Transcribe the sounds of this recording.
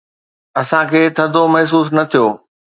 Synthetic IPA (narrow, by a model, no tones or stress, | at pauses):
ɐsãkʰeːt̪ʰɐd̪ʱomɐɦs̬uːs̬nɐt̪ʰijoː